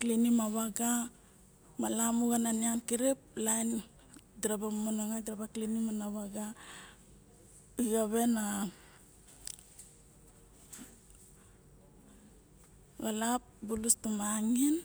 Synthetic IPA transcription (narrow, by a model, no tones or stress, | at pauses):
klinimaβaɡa | malamuɡananiankiɾip̚lajn | dɾabamonoŋadɾabaklinimanaβaɡa | ujaβe̞na | ɡalap̚bulustumaŋin